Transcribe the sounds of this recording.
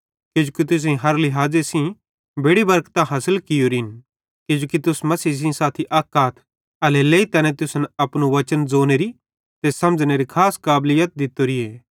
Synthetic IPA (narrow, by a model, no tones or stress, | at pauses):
ked͡ʒoːkit̪ʊs̬ẽɦɐɾlɪɦaːd͡zesĩ | bʱeːɽibɐɾkt̪aɦɐsəlkɪjoɾin | ked͡ʒoːkit̪ʊsmɐsiːs̬ĩsaːt̪ʰiʔaːkaːt̪ʰ | ɐleleːit̪ɐnɛ̃t̪ʊsnɐpnuʋɐt͡ʃənd͡zoːneɾi | t̪esɐmd͡ʒneɾikʰaːskaːblɪjət̪̚d̪ɪt̪ːoɾieː